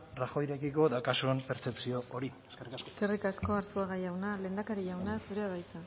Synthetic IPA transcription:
raxo̞jɾe̞kiko̞ðakasuempe̞ɾt͡se̞psio̞ʔoɾisrasske̞rikasko̞aɾsuaɣajawnale̞ːnd̪akaɾiʝawnasuɾeaðajt͡s̪a

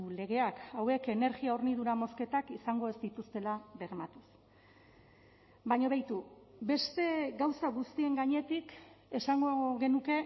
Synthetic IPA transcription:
le̞ɣe̞akawe̞ke̞ne̞ɾɣiaoɾniðuɾamo̞ske̞t̪akisaŋɡo̞e̞zd̪it̪ust̪e̞laβe̞ɾmat̪u̥s | baɲoβajt̪u | be̞st̪e̞ɡawsaɣust̪ie̞ŋɡaɲe̞t̪ike̞saŋɡoɣe̞nuke̞

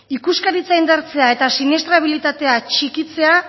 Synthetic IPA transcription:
ikuskaɾit͡saind̪aɾt͡se̞ae̞t̪asiniest̪ɾaβ̞ilit̪at̪e̞at͡ʃikit͡se̞a

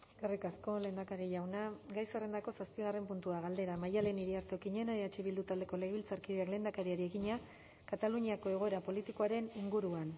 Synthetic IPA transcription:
karikasko̞le̞ːnd̪akaɾiʝawnaɡajsere̞nd̪ako̞saspiɣare̞mpunt̪uaɣ̞ald̪e̞ɾamajale̞niɾiaɾt̪eo̞kiɲe̞naeat͡ʃiβild̪ut̪ald̪e̞ko̞le̞ɣβilt͡saɾkiðeakle̞nd̪akaɾiaɾie̞ɣiɲa | kat̪aluɲiako̞e̞ɣ̞o̞e̞ɾapo̞lit̪ikoaɾeniŋɡuɾuan

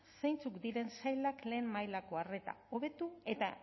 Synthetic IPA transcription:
se̞jnt͡sukd̪iɾe̞nsajlakle̞ːmmajlako̞are̞t̪a̰o̞β̞e̞t̪ue̞t̪a

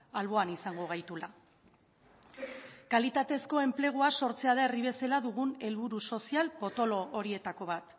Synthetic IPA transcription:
alβ̞o̞anisaŋɡo̞ɣ̞ajt̪ula | kalit̪at̪e̞sko̞e̞mple̞ɣ̞uaso̞ɾt͡seaðaeriβ̞e̞selaðuɣ̞une̞lβuɾuso̞sialpo̞t̪o̞lo̞ːɾie̞t̪ako̞β̞at̪

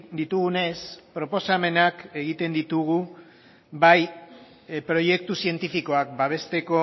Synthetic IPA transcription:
d̪it̪uɣune̞spɾo̞po̞same̞nake̞ɣit̪e̞nd̪it̪uɣ̞u | baj | pɾo̞je̞kt̪usie̞nt̪ifiko̞akbaβ̞e̞st̪e̞ko̞

